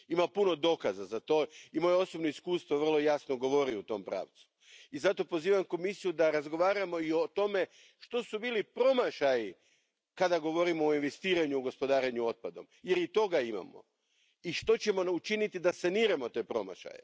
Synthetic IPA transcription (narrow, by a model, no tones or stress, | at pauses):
imapuno̞d̪o̞kazazat̪o̞imo̞jeo̞sobnoiskuːst̪ʋo̞ʋr̩lˠo̞jasnoɡo̞ʋo̞ɾiut̪o̞mpɾa̰ːʋt̪su̥ | izat̪o̞po̞ziːʋamko̞misijud̪aɾazɡo̞ʋaːɾamo̞io̞t̪o̞me̞ | ʃt̪o̞subiːlipɾo̞maʃaji | kad̪aɡo̞ʋo̞ɾimoːinʋest̪iːɾaɲuːɡo̞spo̞d̪aːɾeɲuo̞t̪̚pad̪o̞̰mje̞ɾit̪o̞ɡaima̰mo̰ | iʃt̪o̞t͡ɕe̞mo̞ut͡ʃinit̪id̪asaniːɾamo̞t̪e̞ːpɾo̞̰ma̰ʃa̰jḛ